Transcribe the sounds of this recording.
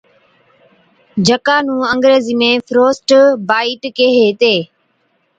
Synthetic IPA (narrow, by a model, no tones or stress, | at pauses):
d͡ʒʱəkaːnũːəŋɡɾeːziːmẽːfʰɾoːsʈbaːiːʈkeɦeːt̪eː